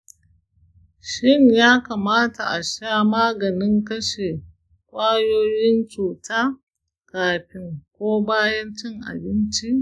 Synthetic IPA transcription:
ʃɪ˦ɲjaː˦ka˨maː˦ta˨ʔa˨ʃaː˦maː˦ɡɐ˨nɪ˦ŋkɐ˦ʃe˨ | kʷʼaː˦joː˦jɪ˦nt͡ʃuː˨taː˦ | kaː˨ɸɪ˦ŋkʷoː˦baː˦jɐ˦nt͡ʃɪ˦ŋʔa̰˨bɪ˦nt͡ʃi˦

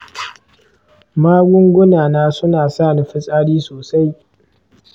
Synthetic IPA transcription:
maː˦ɡʷʊ˦ŋɡʷʊ˦naː˨naː˦sʊ˦naː˨saː˦˨ni˨˦ɸɪ˦sʼaː˦ɽiː˦soː˨sa˦j

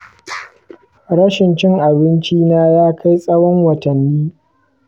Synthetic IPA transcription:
ɽɐ˦ʃɪ˨nt͡ʃɪ˦ŋʔa˨bɪ˦nt͡ʃiː˦naː˦jaː˦kʰa˦jsʼɐ˦wɔ˦ŋwɐ˨tɐ˨nːiː˦

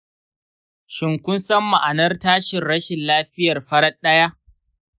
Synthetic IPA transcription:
ʃɪ˨ŋkʷʊ˦nsɐ˦mːa˨ʔa˨nɐ˦rtaː˦ʃɪ˨nɽɐ˦ʃɪ˨nlaː˦ɸɪ˦jɐ˨rɸɐ˦ɽɐ˦ɗɐ˦ja˦ʔ

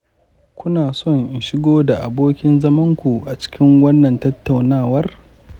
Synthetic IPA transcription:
kʷʊ˦naː˨sɔ˦ŋɪ˨ʃɪ˦ɡoː˦da˨ʔa˨boː˦kʲɪ˦nzɐ˦mɐ˦ŋkʷu˨ʔa˨t͡ʃɪ̥˦kʲɪ˦ŋwɐ˦nːɐ˨ntɐ˦tːa˨wnaː˦˨wɐ˦r

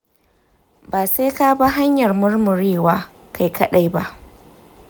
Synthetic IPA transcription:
baː˨se˦ka˦ba˦ɦa˦ɲjɐ˨rmʊ˦rmʊ˨ɾeː˦˨waː˦ | kʰa˨jkʰɐ˦ɗa˨jba̰˦ʔ

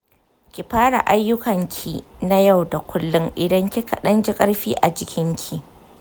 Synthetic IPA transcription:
kʲi˨ɸaː˦ɽa̰˨ʔa˦jːʊ˦kɐ˨ŋkʲʰi˨na˦ja˦˨wda˨kʷʰʊ˦lːʊ˦ŋʔɪ˨dɐ˦ŋkʲi˦kɐ˨ɗɐ˦nd͡ʒi˦kʼɐ˦ɽɸiː˦ʔa˨d͡ʒɪ˦kʲʰɪ˦ŋkʲʰi˦˨

